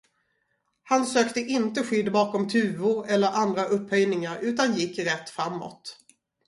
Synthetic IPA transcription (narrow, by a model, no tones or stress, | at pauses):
hansøːkt̪əʔɪnt̪əɧʏd̪ːbɑːkɔmt̪ʰʉ̟ːʊɾɛlːəɾʔand̪ɾaʔɵpːhœjnɪŋaɾʉ̟ːt̪anjɪkːɾɛt̪ːfɾamːɔ̰t̪